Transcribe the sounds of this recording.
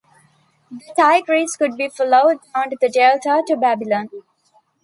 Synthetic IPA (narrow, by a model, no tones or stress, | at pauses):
d̪əʈaɪkɾiːskʊɖ̚biːfɔloʊɖ̚ːaʊ̃nɖd̪əɖelʈəʈubæbɪlə̃n